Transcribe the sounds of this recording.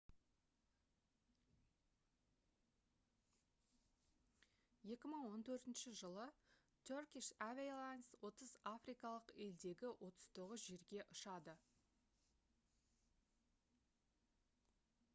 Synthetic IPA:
je̞kʲɪməɴwo̞nt̪ʰɵɾt̪ɪnʃɪʒəlˠə | t̪ʲʰorkʲiʃævʲelˠanswo̞t̪əzafrijkɑlˠəqe̞ld̪e̞ɡʲɪwʔo̞t̪ə̥z̥t̪ʰo̞ʁəzʒe̞ɾɡʲe̞ʔʊʃɑd̪ə

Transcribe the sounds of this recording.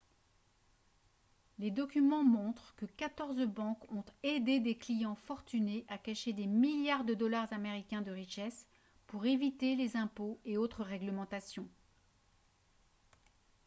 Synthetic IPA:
led̪ɔkʲymɑ̃mɔ̃t̪χkəkat̪ɔʁzbɑ̃kɔ̃t̪ed̪ed̪eklijɑ̃fɔʁt̪yneʔakaʃed̪emiljaʁd̪əd̪ɔlaʁzameʁikʲɛ̃d̪əʁiʃɛs | puʁevit̪elezɛ̃poeot̪χəʁɛɡləmɑ̃t̪asjɔ̃

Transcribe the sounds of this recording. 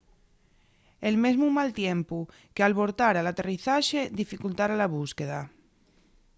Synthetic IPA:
elmezmumalt̪jempu | kealβoɾt̪aɾalat̪eriθaʃed̪ifikult̪aɾalaβ̞uskeða

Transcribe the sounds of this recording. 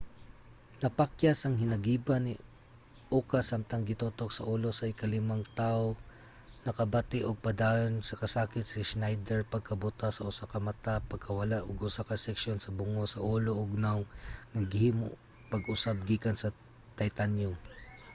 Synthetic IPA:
nɐpakjasɐŋhɪnɐɡiːbanɪ | ʔokasːamt̪ɐŋɡɪt̪oːt̪ok̚sɐʔoːlo̞sɐʔɪkɐlɪmaŋt̪aːʔo | nɐkɐbat̪ɪʔoɡ̚pɐd̪ajonsɐkɐsaːkɪt̪̚sɪʃnajd̪ɛɹpɐɡ̚kʰɐbʊt̪asɐʔʊsakɐmɐt̪apɐɡ̚kʰɐwɐlaʔoɡʔʊsakɐsɛkʃjonsɐbʊŋosɐʔoːloʔoɡ̚nawnɐɡɪhiːmo̰ʔ | pɐɡʔʊsab̚ɡiːkɐnsɐ | t̪ɐjt̪anjʊm

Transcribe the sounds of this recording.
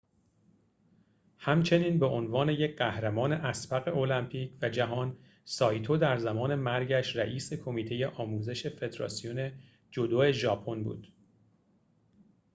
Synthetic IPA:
hæmt͡ʃʰe̞niːnbeʔonvɒːne̞je̞cʰɢæhɾæmɒːne̞ʔæsbæɣe̞ʔo̞læmpʰiːcʰvæd͡ʒæɦɒːn | sɒːjt̪ʰod̪æɾzæmɒːne̞mæɾɟæʃɾæʔiːse̞kʰo̞miːt̪ʰe̞je̞ʔɒːmuːze̞ʃe̞fe̞d̪ɾɒ̰ːsijone̞ | d͡ʒo̞d̪oːe̞ʒɒːpʰo̞nbṵːd̪̥

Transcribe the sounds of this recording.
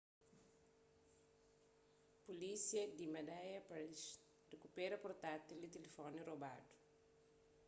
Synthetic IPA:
pulisiɐd̪imɐd̪ajɐpɾɛs | rekupɛɾɐpoɾt̪at̪ildit̪elefɔniroba̰d̪u̥

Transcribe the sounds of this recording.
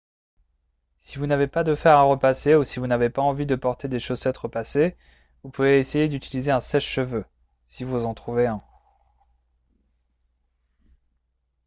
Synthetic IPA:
sivunavepad̪əfɛʁaʁəpaseusivunavepaɑ̃vid̪əpɔʁt̪ed̪eʃosɛt̪ʁəpase | vupuveːsejed̪yt̪ʰilizeɛ̃sɛʃːəvø | sivuzɑ̃t̪χuveɛ̃

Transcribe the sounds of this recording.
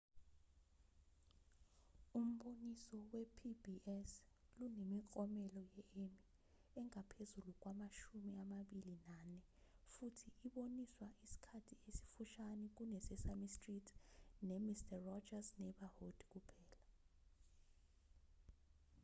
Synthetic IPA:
um̩ɓonisɔwɛpʰibiɛs | lunemikʼɔmɛlɔjɛemi | ɛŋapʰezuluk̬wamaʃumiamaɓilinanɛ | futʰiʔiɓoniswaʔisi̥kʰatʰiesi̥fuʃanɛk̬unɛsɛsamistritʰnɛmistʰʼarɔd͡ʒasnɛɓahod̥k̬ʼupʰɛːla

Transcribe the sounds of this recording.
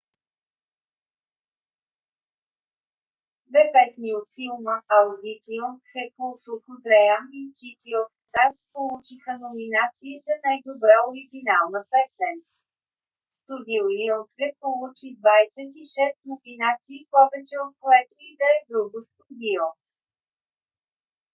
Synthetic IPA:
vɛpɛsniot̪filˠməɐlˠd̪it̪ioxɛkolˠsoxʊɡ̪ɾɛjanit͡ʃit̪iofsast̪̚polˠut͡ʃixənominat̪siːsɐnajd̪obɾaoɾiɡʲinalˠnəpɛsɛn | st̪ʊɡʲilˠlionsɡɛpolˠut͡ʃid̪vajsɛt̪iʃɛst̪nominat̪siːpɔvɛt͡ʃɛot̪̚koɛt̪oid̪ɐɛd̪ɾuɡʊst̪ʊɡil

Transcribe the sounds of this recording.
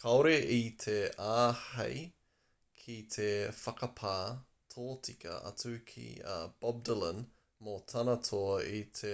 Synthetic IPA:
kʰɐoɾeʔit̪ʰeaːhɐ̰j | kʰit̪ʰefɐkɐpʰaː | tʰoːtʰikɐ̰ʔɐ̰t͡sukʰḭb̥ɔb̚dələn | motʰɐnɐtʰoit̪ʰe

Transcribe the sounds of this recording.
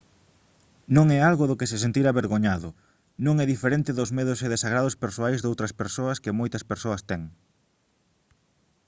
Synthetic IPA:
nõŋɛalɣʊðʊkɪsɪsent̪iɾaβeɾɣoɲaðʊ | nõŋɛðifeɾẽnt̪ɪðʊzmeðʊseðesaɣɾaðʊspeɾsoajzðowt̪ɾɐspeɾsoɐskɪmojt̪ɐspeɾsoɐst̪ɛŋ

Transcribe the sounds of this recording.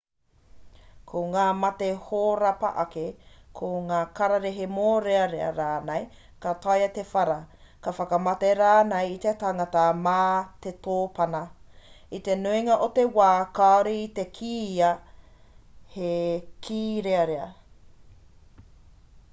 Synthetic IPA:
kʰoŋaːmɐt̪ehoːɾɐpɐ̰ʔɐkekʰoŋaːkɐɾɐɾeɦemoːɾeɐɾeɐ̰ɾaːnej | kat̪ɐjɐt̪efɐɾɐkɐfɐkɐmɐteɾaːnejit̪et̪aŋɐtɐmaːt̪et̪oːpɐnɐ | it̪enuiŋɐʔot̪ewaːkaoɾiːt̪ekʰiːɐ | hekʰiːɾeɐɾeɐ

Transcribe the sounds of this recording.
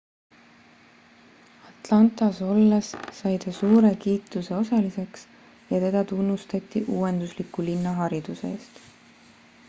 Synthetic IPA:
ɑt̪ˑlɑnt̪ˑɑso̞lːesːɑjt̪ɑsuːɾe̞kiːt̪ˑuse̞o̞sɑlise̞ks | jɑt̪e̞d̪̥ɑt̪unːust̪ɑt̪ʲːˑiʔuːend̪uslikːulinːɑɦɑɾid̪̥useeːst̪

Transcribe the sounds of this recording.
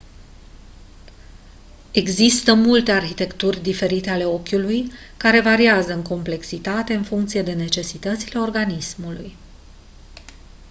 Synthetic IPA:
e̞ɡzist̪əmult̪e̞arçit̪e̞kt̪urʲd̪ife̞ɾit̪e̞ale̞o̞kʲuluj | kaɾe̞vaɾiazəɨŋko̞mple̞ksit̪at̪e̞ɨnfuŋk̚t̪sije̞d̪e̞ne̞t͡ʃe̞sit̪ət̪sile̞o̞rɡanismuluj

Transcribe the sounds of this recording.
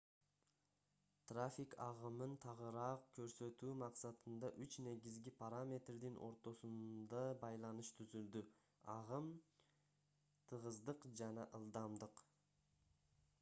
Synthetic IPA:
t̪rafʲɪkɑʁɯmɯnt̪ʰɑʁɯɾɑːq̚kʰø̞ɾsø̞t̪yːmɑqsɑt̪ɯnd̪ɑʔyt͡ʃne̞ɡizɡipʰaɾamʲe̞t̪rd̪inʔo̞̰ɾt̪o̞sund̪ɑbɑjlˠɑnɯʃt̪ʰyzyld̪y | ɑʁɯm | t̪ʰɯʁɯzd̪ɯqd͡ʒɑnɑʔɯlˠd̪ɑmd̪ɯq

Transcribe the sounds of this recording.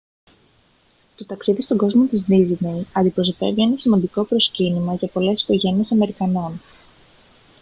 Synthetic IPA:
t̪o̞t̪ɐksiðist̪o̞ɡo̞zmo̞t̪iznizinejɐnd̪ipɾo̞sot̪e̞vie̞nɐsimɐnd̪iko̞pɾo̞scinimɐʝɐpo̞le̞si̥ko̞ʝe̞nie̞sɐme̞ɾikɐno̞n

